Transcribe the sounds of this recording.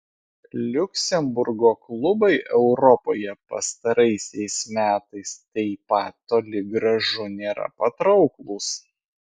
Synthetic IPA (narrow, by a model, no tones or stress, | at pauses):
lʲʊkʲsʲɛmbʊɾɡoːklˠʊbɐɪʔɛʊɾɔpoːjɛpɐ̰st̪ɐɾɐɪsʲɛɪsmʲæːt̪ɐɪst̪ɛɪpɑt̪t̪ːoːlʲɪɡɾɐʒʊnʲeːɾɐ̰pɐt̪ɾɒʊklˠʊs